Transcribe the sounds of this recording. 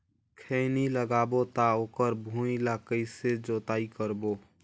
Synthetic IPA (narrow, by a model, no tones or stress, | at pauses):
kʰeniləɡaːbot̪aoːkəɾbʱũilaːkəised͡ʒoːt̪aːikəɾboː